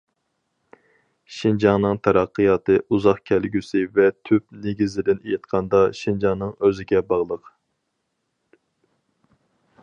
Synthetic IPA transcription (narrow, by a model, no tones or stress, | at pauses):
ʃind͡ʒɑŋnɨŋt̪ʰɑɾɑqːəjɑːt̪ɨʔuzɑχkʲʰælɡʲysɪvɛt̪ʰyp̚neɡʲizɪd̪ɪnejɪt̪̚qʰɑnd̪ɑʃind͡ʒɑŋnɨŋøzɪɡʲɛbɑʁlˠəq